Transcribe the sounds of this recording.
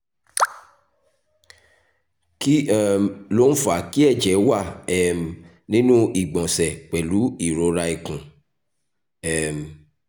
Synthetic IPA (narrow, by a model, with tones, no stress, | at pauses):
ki˦ɛ˦˨m˨lo˦n̩˦fa˨ki˦ɛ˦˨d͡ʒɛ˨˦wa˦˨ɛ˨m˨ | nĩ˦nũ˦i˨ɡ͡bɔ̃˨sɛ˨k͡pɛ˨lu˨˦i˦˨ɾo˨˧ɾa˧i˨kũ˨ | ɛ˦˨m˨